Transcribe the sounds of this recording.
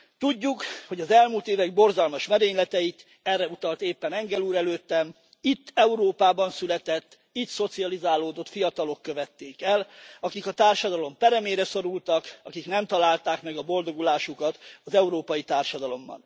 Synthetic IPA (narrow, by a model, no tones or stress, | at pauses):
t̪uɟːukho̞ɟɒzɛlmuːlt̪eːvɛɡ̚bo̞rzɒlmɒʃmɛɾeːɲlɛt̪ɛit̪ | ɛrːɛut̪ɒlt̪eːpːɛnɛŋɡɛluːɾɛløːt̪ːɛm | it̪ːɛuɾoːpaːbɒnsylɛt̪ɛt̪ː | it̪so̞t̪siɒlizaːloːd̪o̞t̪fijɒt̪ɒlo̞kːøvɛt̪ːeːkɛlɒkikɒt̪aːrʃɒd̪ɒlo̞mpɛɾɛmeːɾɛso̞ɾult̪ɒkɒkiknɛmt̪ɒlaːlt̪aːkmɛɡɒbo̞ld̪o̞ɡulaːʃukɒt̪ɒzɛuɾoːpɒjit̪aːrʃɒd̪ɒlo̞mːɒ̰n